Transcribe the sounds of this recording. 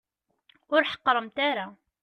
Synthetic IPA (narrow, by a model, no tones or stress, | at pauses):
ʊɾħɑ̥qːɾˤəmt̪æɾa